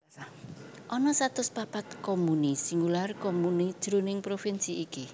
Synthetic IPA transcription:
ʔɔnɔsat̪ʊspapat̪̚komunisiŋularkomunid̥ʒ̥ɾonɪŋpɾofinsiːki

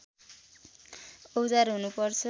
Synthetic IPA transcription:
owd͡zarɦunupʌrt͡sʰʌ

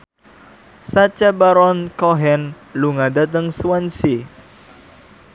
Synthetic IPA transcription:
sat͡ʃabaɾɔnkɔɦɛn | luŋadat̪əŋsuwansi

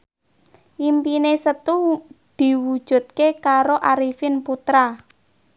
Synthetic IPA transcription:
ʔimpinesət̪ud̪̥i̤wud̥ʒ̥ṳt̪̚kekaɾoʔaɾifɪnput̪ɾa

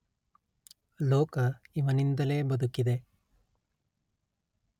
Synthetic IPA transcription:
lɔːkɐiʋɐnind̪ɐle̞ːbɐd̪ukid̪e̞

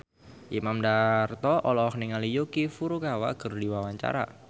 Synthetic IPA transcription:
ʔimamdart̪ɔʔɔlɔhniŋalijokifuɾukawakərdiwawaɲt͡ʃa̰ɾa̰

